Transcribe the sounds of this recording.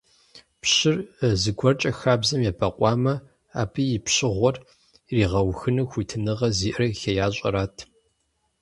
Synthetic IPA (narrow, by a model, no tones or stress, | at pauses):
pɕɪrzɨɡʷʰɔrt͡ʃʼɐxaːbzɐmjaːbʰɐqʷʼɑːmɐ | a̰ːbʰijɪpɕɪʁʷɔr | riːʁɐwxɨnɐxʷitʰɨnɨʁɐziːʔɨrɐxɐjaːɕʼɐ̰ɾaːtʰ